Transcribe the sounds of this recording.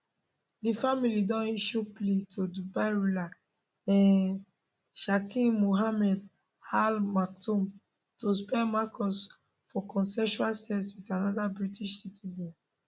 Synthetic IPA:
difamilidɔ̃niʃupletʰodubaɹula | ɛ̃n | ʃakĩnmuɦamɛd | halmak̚tũm | tospɛ̃makɔs | fɔkɔ̃nsɛʃualstɛswitanɔdabɹitiʃsitʰizɔ̃n

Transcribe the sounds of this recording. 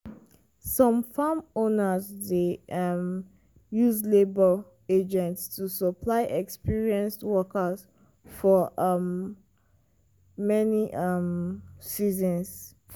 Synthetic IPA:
sɔ̃mfamõnəzdem | juzlebə | ed͡ʒɛ̃ntstusəpʰlaɪʔɛkspiɹiɛ̃nswɔkəs | fɔʔm | ɛniʔʌmsizə̃ns

